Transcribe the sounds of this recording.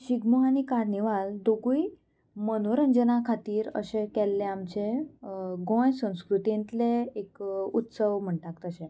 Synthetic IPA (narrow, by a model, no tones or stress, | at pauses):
ɕiɡmoaɽ̃ikaɾniʋald̪oɡui | mənoɾənd͡ʑənakʰat̪iːɾə̰ɕekɛlːeamt͡ɕe | ɡõjsə̃w̃skɾut̪ĩnt̪leekut̪səʋm̤əɳʈ̪ak̚t̪əɕẽ